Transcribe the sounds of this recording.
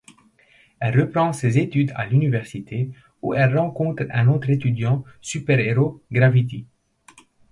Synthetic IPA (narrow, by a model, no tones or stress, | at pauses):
ɛlʁəpχɑ̃sezet̪yd̪a̰lynivɛʁsit̪ʰe | uɛlʁɑ̃kɔ̃t̪χɛ̃not̪χet̪yd̪jɑ̃sypɛʁeʁoɡʁavit̪̬i